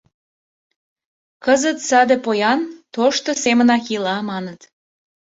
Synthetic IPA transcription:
kəzət̪sɑd̪epojɑnt̪oʃt̪osemənɑkilɑmɑnət̪

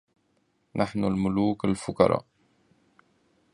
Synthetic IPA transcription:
nʔaħnulmʊluːkalfʊkɑ̰ɾˤɑ̰ː

